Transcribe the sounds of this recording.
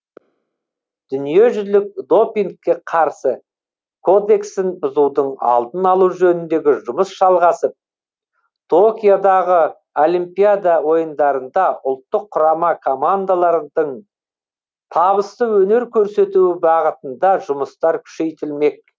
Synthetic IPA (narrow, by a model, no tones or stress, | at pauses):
d̪̥ʏnije̞ʒʏlɪk̚d̪o̞piŋkʲːe̞qʰɑɾsə | kʰo̞d̪e̞ksɪnbʊzuwd̪əɴɑ̰lˠt̪ənɑlˠuwʒɵnɪnd̪e̞ɡʲɪʒʊməsʒ̥ɑlˠʁɑsəp̚ | t̪ʰo̞kʲijod̪ɑʁə | olimpijad̪awo̞jənd̪ɑɾənd̪ɑʊlˠt̪ːəqʰːʊɾɑmɑkʰomand̪alˠɑɾəd̪əɴ | t̪ʰɑβəst̪əwɵne̞ɾkʲʰɵɾse̞t̪uwɪbɑʁət̪ənd̪ɑʒʊməst̪ɑɾkʲʰʏ̥ʃe̞jt̪ɪlme̞k̚